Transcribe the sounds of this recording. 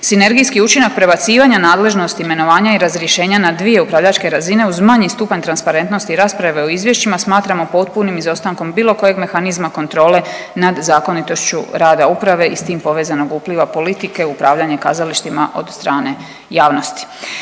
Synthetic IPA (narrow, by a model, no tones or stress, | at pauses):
sine̞ɾɡijskiut͡ʃinak̚pɾe̞bat̪siːʋaɲanaːd̪le̞ʒno̞st̪iime̞no̞ʋaːɲaiɾazɾjeʃe̞ːɲanad̪ʋije̞upɾaʋʎat͡ʃke̞ɾazine̞uzmaɲist̪upaɲt̪ɾanspaɾe̞nt̪no̞st̪iɾaːspɾaʋeoizʋje̞ʃt͡ɕimasmaːt̪ɾamo̞po̞t̪punimizo̞st̪aŋko̞mbiːlo̞ko̞je̞ɡme̞xanizmako̞nt̪ɾo̞ːle̞ | nad̪zaːko̞nit̪o̞ʃt͡ɕuɾaːd̪aupɾaʋe̞ist̪iːmpo̞ʋe̞ːzano̞ɡupliʋapo̞lit̪ike̞upɾaːʋʎaɲe̞kazaliʃt̪ima̰ʔo̞̰d̪st̪ɾaːne̞ | jaːʋno̞st̪i̥